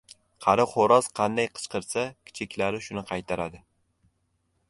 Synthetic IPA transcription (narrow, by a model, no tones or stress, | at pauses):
qʰɑɾɪχoɾɒz̥qʰɑnd̪ajqʰɨ̥t͡ʃqɨɾsakʲʰɪ̥t͡ʃʰekʲlaɾɪʃʊnɪqʰɑjt̪ʰaɾad̪ɪ